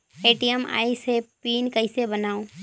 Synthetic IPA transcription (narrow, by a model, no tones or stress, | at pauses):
eːʈiema̰ːisepiːnkəisebənaːõː